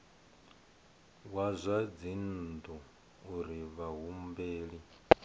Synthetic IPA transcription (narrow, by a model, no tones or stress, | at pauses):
wazʷad͡zind̪u | uɾiβaɦumbeːɺi